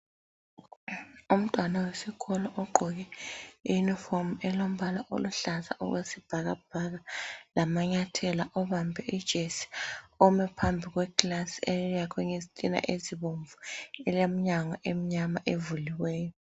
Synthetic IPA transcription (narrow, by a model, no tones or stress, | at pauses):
um̩tʼwanawesikʰɔlɔʔɔǃʱɔɣ̬ɛijunifɔrmɛlom̩balaʔo̰luɬaza̰ʔṵɣwesib̥ʱaɣa̰b̥ʱaɣalamaɲatʰɛlaʔɔβambʱɛid̥ʒ̥ʱesi̥ɔmɛpʰambʱiɣ̬wɛkʼlasielijakʰwɛŋezitʼina̰ʔeziβoɱvuɛlam̩ɲaŋaʔem̩ɲamaʔevuliwɛːjɔ